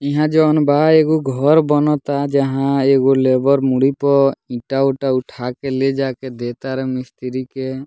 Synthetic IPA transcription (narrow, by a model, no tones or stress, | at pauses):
ĩɦãd͡ʒɔnbaeɡuɡʱɔɾbɔnɔt̪ad͡ʒaɦãeɡolebɔɾmuɽipɔĩʈauʈauʈʰakeled͡ʒaked̪et̪aɾemist̪iɾike